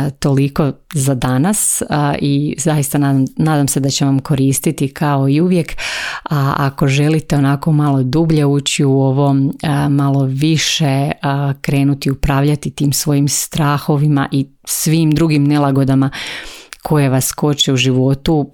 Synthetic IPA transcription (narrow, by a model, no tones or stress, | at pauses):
t̪o̞liko̞zad̪anasizajist̪ananaːd̪amse̞d̪at͡ɕeʋamko̞ɾiːst̪it̪ikʰao̞iuʋje̞kaa̰ko̞ʒe̞lit̪e̞o̞nako̞malˠo̞d̪ubʎe̞uːt͡ɕiuoʋo̞mmalˠo̞ʋiʃe̞kɾe̞ːnut̪iupɾaːʋʎat̪it̪iːmsʋo̞jimst̪ɾaːxo̞ʋima̰ʔi | sʋiːmd̪ɾuɡimne̞lˠaɡo̞d̪ama | kʰo̞je̞ʋasko̞t͡ʃeuʒiʋo̞t̪u